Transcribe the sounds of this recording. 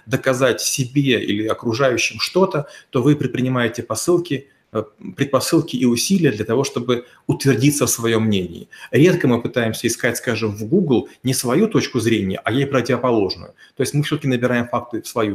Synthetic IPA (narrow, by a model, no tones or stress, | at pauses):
d̪əkɐzatʲsʲɪbʲeḭlʲɪɐkɾʊʐajʉɕːɪmʂt̪o̞t̪ət̪o̞vɨpɾʲɪt̪̚pɾʲɪnʲɪmajɪtʲɪpɐsɨlˠkʲɪ | pɾʲɪt̪̚pɐsɨlˠkʲɪʔiʊsʲilʲɪjəd̪lʲɐt̪ɐvo̞ʂt̪o̞bɨ | ʊt̪vʲɪrdʲit̪səfsvɐjo̞mːnʲenʲɪ̰ɪɾʲe̞t̪kəmɨpɨt̪ajɪmsʲəɪskatʲskaʐɨmvɡuɡlˠnʲɪsvɐjut̪o̞t͡ɕkʊzɾʲenʲɪjə̰ʔɐjejpɾətʲɪvəpɐlˠo̞ʐnʊ̰jʊt̪o̞jɪsʲtʲmɨfsʲot̪əkʲɪnəbʲɪɾajɪmfak̚t̪ɨfsvɐju